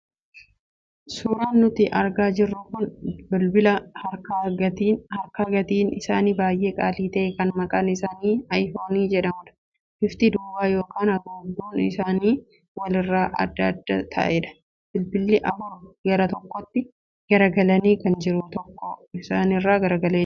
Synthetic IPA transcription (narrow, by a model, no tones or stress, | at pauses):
suːɾaːnːʊt̪ɪʔɐɾɡaːd͡ʒɪrːʊkʊnbʊlbɪlɐhɐɾkɐɡɐt̪iːhɐɾkɐɡɐt̪iːnɪsaːniːbaːjʔe̞ːkʼaːliːt̪ɐʔɛkɐnmɐkʼaːnɪsaːniːɐjfoːniːd͡ʒɛᶑɐmᶑɐ̥ | ʔɪft̪ɪd̪uːwaːjo̞ːkʰaːnɐɡoːɡd̪uːnɪ̰saːniː | wɐlɪrːaːʔɐ̰d̪ːɐd̪ːɐ̰t̪ʰɐ̰ʔeːᶑɐ̥ | b̥ɪlbɪlːɪʔɐfʊɾɡɐɾɐt̪ɔkːɔt̪ːɪ | ɡ̥ɐɾɐɡɐlɐniːkɐnd͡ʒɪɾʊt̪ɔkːɔɪsaːnɪrːaːɡɐɾɐɡɐleː